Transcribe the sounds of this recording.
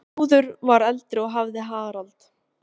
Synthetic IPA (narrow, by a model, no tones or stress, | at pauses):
uːðʏɾvaɾɛlt̪ɾɪɔɣɦavðɪɦaːɣaɾalt̪